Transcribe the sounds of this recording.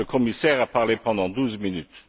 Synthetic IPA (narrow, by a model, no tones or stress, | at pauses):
əkʰɔmisɛːʁapaʁlepɑ̃d̪ɑ̃d̪uːzminyt̪